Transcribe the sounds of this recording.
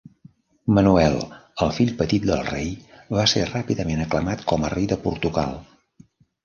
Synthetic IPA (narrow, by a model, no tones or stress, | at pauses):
mənuɛlˠəlˠfiʎpət̪it̪̚d̪əlˠrej | βaserapiðəmenəkləmat̪kɔmərejðəpuɾt̪uɣa̰lˠ